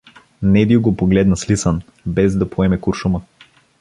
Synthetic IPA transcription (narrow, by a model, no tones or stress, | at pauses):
nɛd̪iɡopoɡlɛd̪nɐslisan | bɛzd̪apʰoɛmɛkuɾʃuma